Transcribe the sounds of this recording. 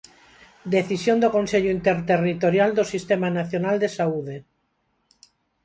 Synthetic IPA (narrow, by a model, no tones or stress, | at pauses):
d̪eθisjond̪okõnseʎoint̪eɾt̪erit̪oɾjald̪osist̪emanaθjonald̪esauðe